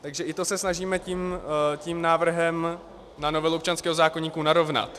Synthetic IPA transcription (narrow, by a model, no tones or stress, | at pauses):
t̪aɡʒɛʔɪt̪o̞sɛsnaʒiːmɛciːmcimnaːvr̩ɦɛm | nano̞vɛluopt͡ʃanskɛːɦozaːkoɲiːkunaɾo̞vna̰t̪